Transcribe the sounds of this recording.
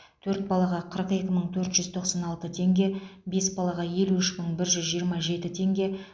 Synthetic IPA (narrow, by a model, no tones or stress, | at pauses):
t̪ʰɵɾt̪̚bɑlˠɑʁɑqʰəɾəqe̞kʲɪməɴt̪ʰɵɾt̪ʒ̥ʏzt̪ʰo̞qsɑnɑlˠt̪ət̪ʰe̞ŋɡʲe̞be̞sbɑlˠɑʁɑje̞luɪʃməɴbɪɾʒʏzʒijəɾmɑʒe̞t̪ɪt̪ʰe̞ŋɡʲe̞